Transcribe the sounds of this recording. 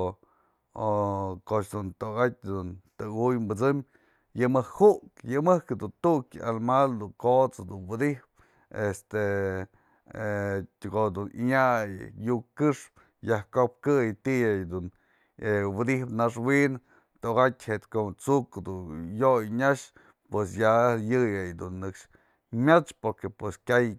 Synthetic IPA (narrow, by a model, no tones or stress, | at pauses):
okot͡ʃd̪unt̪oɣat̚ʲd̪unt̪ɨɡujmbɨt͡sɨm | jɨmɨkʰhuʔkjɨmɨhkɨd̪unt̪uʔka̰lmald̪uŋkot͡sd̪unwɨd̪ihp̚ | est̪e | tʲɡod̪unḭɲajjukɨʂp | jahkop̚kɨjt̪ijajd̪un | ewɨd̪ihpnaʂwin | t̪oɡat̪ʲhet̪kot͡sukd̪ujojɲaʃ | pwes̬jajɨjajd̪unːɨkʂ | mʲat͡ʃpoɾkepweskʲaj